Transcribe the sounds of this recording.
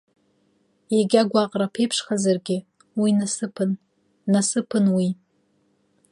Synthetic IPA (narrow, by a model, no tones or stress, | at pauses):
jeɡʲaɡʷaqʼrapʰejpʰʂχazarɡʲɪ | winasɨpʰɨnː | asɨpʰɨnwi